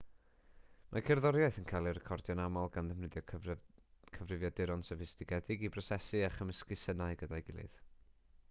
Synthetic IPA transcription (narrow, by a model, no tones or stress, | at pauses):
mʔakʰɛrðɔɾjaɨθənkʰajlˠirɛkʰɔrdjɔnamɔlˠɡanðɛmnɪðjɔ | kʰəvrɪvjɔdɪɾɔnsɛvɪstɪɡɛdɪɡibrɔsɛsɨaχəməskɨsənaɨɡədajɡɪlˠɨ̰ð